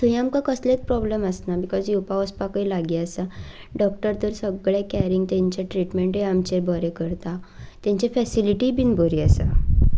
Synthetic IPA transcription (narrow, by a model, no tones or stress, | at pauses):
t̪əɦĩamkakəslek̚pɾɔbleməsnabikɔzjupaəspakəilaɡiasa | ɖɔk̚ʈəɾt̪əɾsəɡɭekɛɾiŋɡt̪ɛ̃ɲt͡ɕaʈɾiʈmeɳʈɦeamt͡ɕebəɾekəɾt̪at̪ɛ̃ɲt͡ɕefɛsiliʈibinbʱəɾiəsa̰